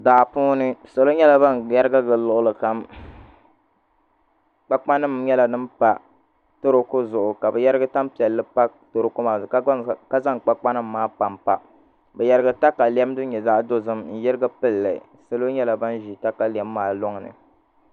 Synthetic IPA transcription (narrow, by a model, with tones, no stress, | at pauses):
daː˨puː˦nɨ˦sa˦lo˦ɲɛ˦la˨ba˦nja˦ɾɨ˦ɡa˦ɡɨ˨lʊ˨ʔʊ˨lɨ˨ka˨m | k͡pa˦k͡pa˦nɨ˦mɲɛ˦la˨nɨ˦mpa˦ | to˦ɾo˦kʊ˦zʊ˨ʔʊ˨ka˨bɨ˨jɛ˦ɾɨ˦ɡa˦ta˦mpi˨ɛ˨lːɨ˦pa˦to˨ɾo˦ko˦ma˨kka˦za˦ŋk͡pa˦k͡pa˦nɨ˦mːaː˦pa˨mpa˨ | bɛ˨ja˨ɾɨ˦ɡa˦ta˦ka˨lɛ˦m˦dɨ˦ɲɛ˨za˦do˦zɨ˦mn̩˦jɛ˦ɾɨ˦ɡa˦pɨ˦lːɨ˨ | sa˨lo˦ɲɛ˦la˨ba˦nʒi˨ta˦ka˨li˨ɛ˨˦mːaː˨lo˦ŋ˨nɨ̰˨